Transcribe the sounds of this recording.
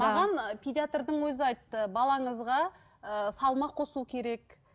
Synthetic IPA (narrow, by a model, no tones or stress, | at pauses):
mɑʁɑnpʰʲid̪ʲiat̪rd̪əɴwɵzɪɑjt̪ːəbɑlˠɑɴəzʁɑ | əsɑlˠmɑqʰo̞sukʲʰe̞ɾe̞k